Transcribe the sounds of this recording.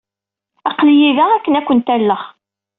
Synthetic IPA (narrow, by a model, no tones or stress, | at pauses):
ɑqlijiðæækːənækʷːənt̪ælːəχ